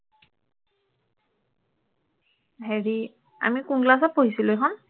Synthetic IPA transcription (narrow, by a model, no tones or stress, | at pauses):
ɦeɹi | a̰mikuŋɡlas̬apoɦisilojɦɔn